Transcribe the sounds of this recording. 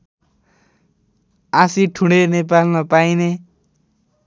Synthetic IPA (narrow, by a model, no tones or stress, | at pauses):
asiʈʰuɽenep̬almapajne